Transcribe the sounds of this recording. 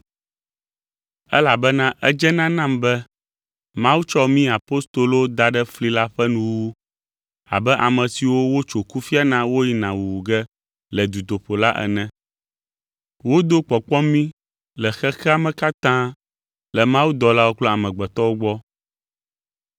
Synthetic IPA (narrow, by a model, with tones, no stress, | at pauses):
ɛ˦la˨bɛ˦nã˦ʔɛ˦d͡ʒɛ˦nã˦nã˦mbɛ˦ | mã˦wu˦t͡ʃɔ˦mĩ˦a˨po˦st̪o˨lo˦d̪a˨ɖɛ˦fli˦la˦ɸɛ˦nũ˨wu˦ | a̰˨bɛ˦ʔa˨mɛ̃˨si˨wo˦wo˦t͡ʃo˨ku˦fi˦a˦nã˦wo˦ji˦nã˨wu˨wu˨ɡɛ˦ | lɛ˨d̪u˨d̪o˨ɸo˨la˦ʔɛ̰˨nɛ̃˨ | wo˦d̪o˦k͡pɔ˨k͡pɔ˦mĩ˦ | lɛ˨xɛ˦xɛ˦a˨mɛ̃˨ka˦t̪ã˦ | lɛ˨mã˦wu˦d̪ɔ˨la˦wo˦k͡plɔ˦a˨mɛ̃˨ɡ͡bɛ˨t̪ɔ˦wo˦ɡ͡bɔ˦